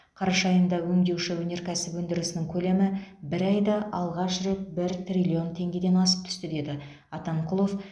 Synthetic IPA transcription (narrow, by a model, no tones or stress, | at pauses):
qʰɑɾɑʃɑjənd̪ɑwɵŋd̪e̞wʃɪwɵne̞ɾkʲʰæsɪpwɵnd̪ɪɾɪsɪnɪŋkʲʰɵle̞mɪbɪɾɑjd̪ɑʔɑlˠʁɑʃɾe̞t̪̚bɪɾt̪rʲilʲio̞nt̪ʰe̞ŋɡʲe̞d̪e̞nɑsə̥p̚t̪ʰʏ̥st̪ɪd̪e̞d̪ɪ | ɑt̪ɑɴqʰʊlˠo̞f